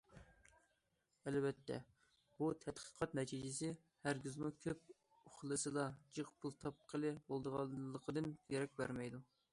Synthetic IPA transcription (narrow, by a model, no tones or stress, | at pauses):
ælbɛt̪ːɛ̰ | b̥ut̪ʰɛt̪qʰə̥qʰɑt̪nɛt̪ʰid͡ʒɪsɪ | hæɾɡʲizmukʲʰøp̚ | ʊχlˠɨsɨd̪ɑd͡ʒɨqpʰulˠt̪ʰɑp̚qʰəlˠɨbolˠd̪əʁɑːəqʰəd̪ɨnkʲʰeɾɛk̚ʲbæɾmɛjd̪u